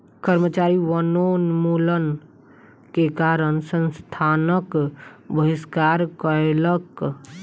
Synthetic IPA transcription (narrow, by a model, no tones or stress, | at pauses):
kəɾmət͡ʃaɾiwənonmulən | kekaɾənsə̃nst̪ʰanəkbəʋiskaɾkəelək